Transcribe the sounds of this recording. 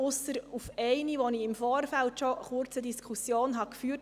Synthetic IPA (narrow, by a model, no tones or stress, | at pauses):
ʊsəɾufɛɪniʋoniɪmfoːrfæltʃɔəχʊɾt͡sədiskʰusjoːnɦɑkfyːt